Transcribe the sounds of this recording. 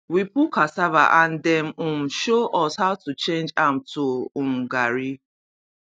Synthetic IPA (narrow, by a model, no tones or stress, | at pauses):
wipukasava̰ʔãn̩dɛm̩ʊm̩ʃoʔɔshaʊtut͡ʃẽnd͡ʒam̩tʰuʊm̩ɡaɾi